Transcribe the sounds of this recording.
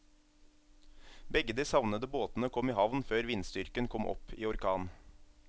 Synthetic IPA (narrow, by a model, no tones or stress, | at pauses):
bɛɡəd̪iːsɑʋnəd̪əboːt̪n̩əkʰɔmiːhɑʋnføːɾʋɪnst̪ʏɾkənkʰɔmʔɔ̰pʰiːɔɾkʰɑːn